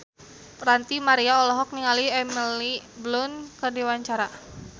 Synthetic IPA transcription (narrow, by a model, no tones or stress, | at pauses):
pɾant̪imaɾiaɔlɔɦɔk̚niŋaliɛmiliblʊnkərdiwaɲt͡ʃaɾa